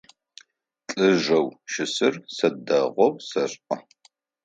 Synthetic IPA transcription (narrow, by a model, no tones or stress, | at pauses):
t͡ɬʼɨʒɐwʃɪsɨrsɐdɐʁʷɔwsɐɕʼʔɐ